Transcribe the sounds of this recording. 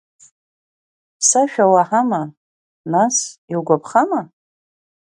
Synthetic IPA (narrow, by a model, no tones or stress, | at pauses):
pʰsaʃᶣawaħama | nasiwɡʷapʰχama